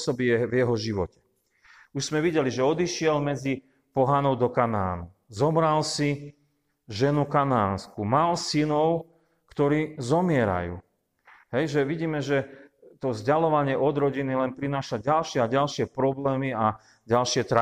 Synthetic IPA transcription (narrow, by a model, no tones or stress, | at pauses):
sɔbiɛvjɛɦɔʒiʋɔcɛ̥ | uʒz̥mɛʋiɟɛliʒɛɔd̪iʃɪɛlmɛd͡zi | pɔɦanɔʊd̪ɔkana̰ːnu | zɔmɾalsi | ʒɛnukanaːnskumalsinɔʊ | kt̪ɔɾiːzɔmɪɛɾa̰jṵː | ɦɛjʒɛʋiɟiːmɛʒɛt̪ɔzɟalɔʋaɲɪɛʔɔd̪ɾɔɟinilɛnpɾinaːʃaɟalʃɪɛaɟalʃɪɛpɾɔblɛːmia | ɟalʃɪɛt̪ɾa